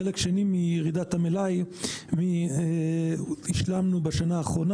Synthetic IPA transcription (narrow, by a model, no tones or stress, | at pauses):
elekʃenimijeʁid̪at̪amelajmie | hiʃlamnubaʃanaːχʁona